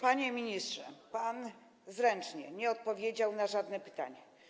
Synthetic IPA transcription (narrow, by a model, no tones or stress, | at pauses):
paɲɛmʲiɲistʂɛpan | zɾɛnt͡ʂɲɛ̰ɲɛɔt̪̚pɔvʲjed͡ʑawnaʐad̪nɛpɘ̥t̪a̰ɲɛ